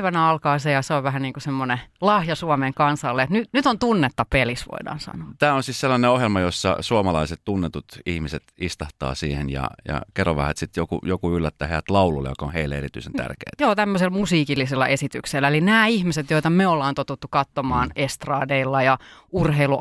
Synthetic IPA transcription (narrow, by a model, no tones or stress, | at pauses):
ʋænæɑlkɑːsejɑseoʋʋæhæniːŋkusemːonelɑhjɑsuɑmeŋkɑnsɑlːeet̪nynyt̪ont̪unːet̪ːɑpelisʋo̰idɑ̰ːnsɑ̰noːt̪æːonsiːsselːɑneohjelmɑjosːɑ̰suomɑlɑiset̪t̪unːet̪ut̪ihmiset̪ist̪ɑht̪ɑ̰ːsiːhenjɑ̰jɑ̰kerːoʋæ̰hʋæt̪sit̪jokṵjokuylːæt̪ːæːheæt̪lɑululːḛjo̰kɑonheilːeeɾit̪yisent̪æ̰rkḛːt̪joːt̪æmːøselmusiːkilːiselːɑ̰ʔesit̪ykselːelinæːihmiset̪joit̪ɑmeolːɑːnt̪ot̪ut̪ːukɑt̪ːomɑːnest̪rɑːdeilːɑjɑ | urɦeilu